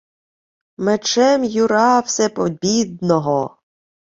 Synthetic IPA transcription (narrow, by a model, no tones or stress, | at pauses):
met͡ʃɛmjʊɾɑwsʲɛpɔbʲid̪̚nɔɦɔ